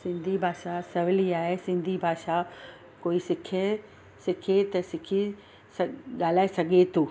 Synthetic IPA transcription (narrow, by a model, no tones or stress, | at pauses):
sɪ̃nd̪ʱibʱaːʃasɐʋɪliaːɦesɪ̃nd̪ʱibʱaːʃa | koːisɪkʰe | sɪkʰet̪ɐsɪkʰi | sɐɠaːl̤aːesɐɡʱet̪ʰuː